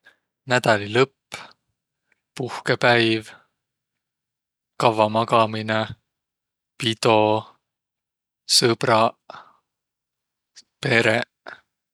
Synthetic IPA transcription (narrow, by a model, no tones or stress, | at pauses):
næd̪̥ɑlilɤpː | puhkepæjv | kɑvɑmɑɡɑmine | pid̪̥o̞ | sɤb̥ɾɑ | pe̞ɾe